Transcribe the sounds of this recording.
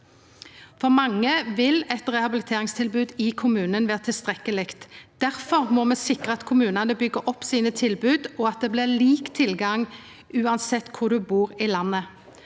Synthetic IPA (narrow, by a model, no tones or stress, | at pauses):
fɔʁmɑŋːəʋɪlɛt̪ʁɛhɑbɪlɪt̪ʰeːʁɪŋst̪ʰɪlbʉːd̪ɪkʰʊmʉːnənʋeːʁət̪ʰɪlst̪ʁɛkəlɪkt̪d̪̥æʁfɔʁmɔmɛːsɪkɾəɑt̪kʰʊmʉːnɑnəbʏɡəʔɔpːsiːnət̪ʰɪlbʉːd̪ɔɑt̪̚d̪ɛːblɪliːkt̪ʰɪlɡɑŋ | ʉːɑnsɛt̪ːkʰʊʁd̪ʉbuːʁɪlɑnːə